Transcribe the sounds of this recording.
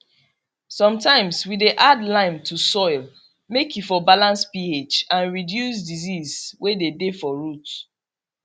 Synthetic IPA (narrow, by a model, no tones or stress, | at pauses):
sɔ̃mtãɪ̃mswideʔadlãɪ̃mtʰusɔɪl | mekjufɔbalãnspiet͡ʃãnɹidjusdizizwedebefɔɹut